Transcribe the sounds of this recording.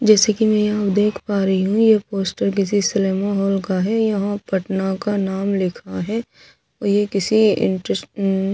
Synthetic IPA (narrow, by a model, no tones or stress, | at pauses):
d͡ʒɛːsekimɛ̃japd̪eːkʰpaːɾɐɦiɦũjepoːsʈəɾk̬ɪs̬isɪleːmaɦɔːlkaɦɛjɐɦãpɐʈnakanaːmlɪkʰaɦɛː | ɔːɾjekɪsiɪ̰̃ɳʈɾə